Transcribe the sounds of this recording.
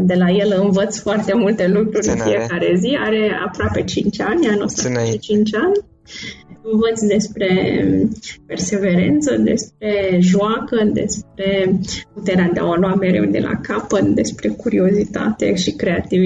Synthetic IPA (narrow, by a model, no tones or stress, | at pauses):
d̪e̞laje̞lɨnvət̪sfoart̪e̞mult̪e̞lukɾuɾʲɨnfije̞kaɾe̞zia̰ɾe̞a̰pɾoape̞t͡ʃint͡ʃʲanʲanost̪aʃit͡ʃint͡ʃʲanʲ | ɨnvət̪sd̪e̞spɾe̞ | pe̞rse̞ve̞ɾe̞̰nt̪səd̪e̞sp̚ɾe̞ʒuakəd̪e̞̰sp̚ɾe̞put̪eɾead̪ea̰aloame̞ɾe̞̰wd̪ḛla̰kapət̪d̪e̞spɾe̞kuɾio̞zit̪a̰t̪e̞̰ʃikɾe̞at̪ivi